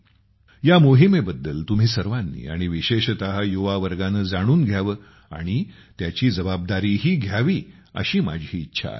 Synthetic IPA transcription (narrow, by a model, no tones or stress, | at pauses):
jamoɦimebəd̪ːəlt̪um̤iːsəɾʋanːḭːa̰ɽ̃iʋiɕeɕt̪əɦajoʋaʋəɾɡanəd͡zaɽ̃uːnɡʱjaʋəː | a̰ɽ̃i | t̪jat͡ɕiːd͡zəbab̚d̪aɾiːɦiːɡʱjaʋiːə̰ɕiːma̰d͡ʑʱɦiːt̪ːɕʰa̰